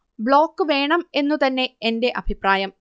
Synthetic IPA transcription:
bɭo̞ːkːɨʋe̞ːɳɐme̞nːut̪ɐnːe̞ːnde̞ʔɐbʱipraːjɐm

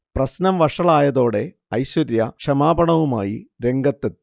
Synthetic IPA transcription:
prɐsnɐmʋɐʂɐɭaːjɐðo̞ːɽe̞ | ɐjɕwɐɾjɐkʂɐmaːbɐɳɐʋuma̰ːjiɾe̞ŋɡɐt̪ːetː

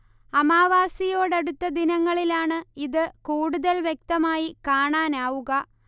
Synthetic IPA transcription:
ɐmaːʋaːsijo̞ːɽeɽut̪ːɐd̪inɐŋːɐɭilaːɳɨiðɨkuːɽuðɐlʋjek̚t̪ɐmaːjikaːɳaːnaːʋuɣɐ

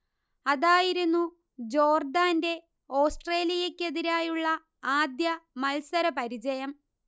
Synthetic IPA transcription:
ɐðaːjiɾunːu | d͡ʑo̞ːrd̪aːnde̞ | o̞ːsʈreːlijekʲːe̞ðiɾaːjuɭːɐ | aːd̪jɐmɐlsɐɾɐpɐɾid͡ʑɐjɐm

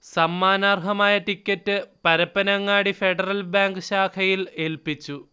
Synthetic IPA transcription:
sɐmːaːnaːrɦɐmaːjɐʈikʲːɐtːɨpɐɾɐpːɐnɐŋːaːɽife̞ɽɐrɐlbaːŋɡɨɕaːkʰɐjile̞lpit͡ɕːu

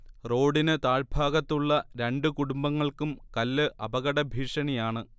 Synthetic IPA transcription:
ro̞ːɽinɨt̪aːɻbʱaːɣɐt̪ːuɭːɐɾe̞ɳɖɨkuɽumbɐŋːɐɭkumkɐlːɨʔɐbɐɣɐɽɐbʱiːʂɐnijaːɳɨ

